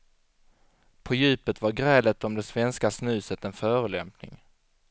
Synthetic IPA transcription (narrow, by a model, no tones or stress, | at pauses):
pʰɔjʉ̟ːpət̪vaɾɡɾɛːlət̪ɔmd̪ɛsvɛnskasnʉ̟ːsət̪ɛnfœːɾəlɛ̰mpnɪ̰ŋ